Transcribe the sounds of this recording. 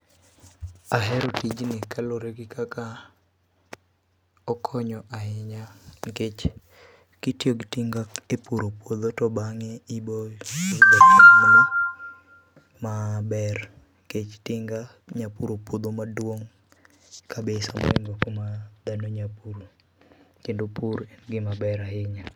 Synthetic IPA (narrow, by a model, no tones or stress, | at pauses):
aɦɛɾɔtid͡ʒnɪkaloɾeɡɪkaka | ɔkʰɔɲɔʔaɪɲaŋɡet͡ʃ | kitjoɡitiŋɡaepuɾopwod̪otɔbaŋeibod̪aoman | mabɛr | ket͡ʃtɪŋɡa | ɲapuɾopwod̪omadwoŋ | kʰabesamɔ̰ɛŋɡokomad̪anoɲapuɾo | t͡ʃindopuɾɛnɡɪmabɛɾaɪɲa